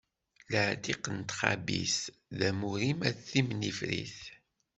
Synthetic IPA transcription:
ləʕd̪iqənt̪χa̰bḭs | ðæmuɾimæθimnifɾḭθ

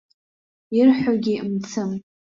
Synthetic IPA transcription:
irħʷaɡʲimt͡sʰɨm

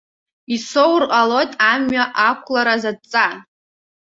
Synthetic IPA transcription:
isowrqʼalo̞jtʼamɥaʔakʷʰlaɾazad̚t͡sʼan

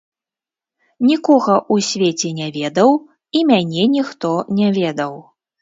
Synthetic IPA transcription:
nʲikɔɣɐʔusʲvʲet͡sʲɛnʲavʲɛd̪ɐw | imʲanʲɛnʲixt̪ɔnʲɛvʲɛd̪ɐw

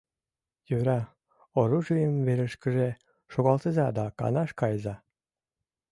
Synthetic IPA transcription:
jøɾɑ | oɾuʒɯjəmveɾəʃkə̆ʒe | ʃoɣɑlˠt̪əzɑd̪ɑkɑ̰nɑʃkɑjzɑ

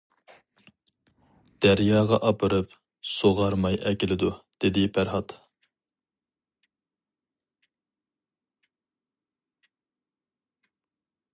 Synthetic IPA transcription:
d̪̥æɾjɑːʁɑʔɑpʰɨɾɨp | soʁɑɾmɑjʔɛkʲilɪd̪ud̪̥ɪd̪ɪpʰæɾhɑt̪

